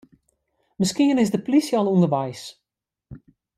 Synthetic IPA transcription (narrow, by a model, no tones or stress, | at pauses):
mɪskiənɪzdəplisjɔlˠundərʋɛjs